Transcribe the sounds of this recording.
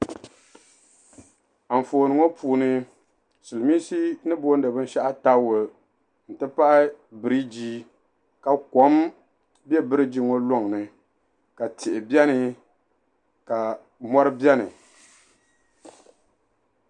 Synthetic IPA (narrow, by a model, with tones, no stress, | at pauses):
a˨ɱ̩˨foː˨nɨ˨ŋo˦pʰuː˨˦nɨ˦ | sɨ˨lɨ˨miː˦si˦nɨ˦boː˦n̩˦dɨ˨bɨ˦n̩˦ʃa˦ʔa˦ta˦wo˨ | n̩˨tɨ˦pa˦ʔbɨ˨ɾi˦d͡ʒiː˦ | ka˨ko˦m | bɛ˦bɨ˦ɾɨ˦d͡ʒi˦ŋo˦lo˦˨ŋ˨nɨ˨ | ka˨tʰɪ˨ʔɪ˨bjɛ˦nɨ˨ | ka˨ | mɔ˦ɾɨ˦bjɛ˦nɨ̰˨